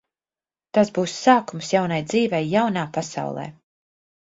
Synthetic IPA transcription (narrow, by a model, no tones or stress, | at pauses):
t̪azbuːsːaːkumsjawnajd̪ziːvɛjːawnaːpasa̰wlˠɛ̰ː